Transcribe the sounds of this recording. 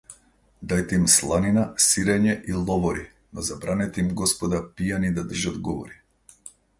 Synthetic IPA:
d̪ajt̪ɛimslˠaninasiɾɛɲɛʔilˠɔvɔɾi | nɔzabɾanɛt̪ɛimɡɔspɔd̪apijanid̪ad̪r̩ʒad̪ɡɔvɔ̰ɾi

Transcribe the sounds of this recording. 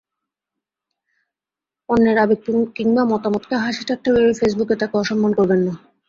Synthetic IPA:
ɔnːeɾabek̚kiŋmamɔt̪amot̪keɦaʃiʈak̚ʈʰːabeɾefes̬buket̪akeɔʃɔmːankɔɾbenːa

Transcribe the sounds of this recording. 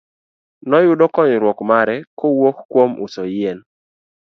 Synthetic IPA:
nɔjʊdɔkɔɲɾwɔkmaɾɛkowokkwomʊ̰sɔjɛn

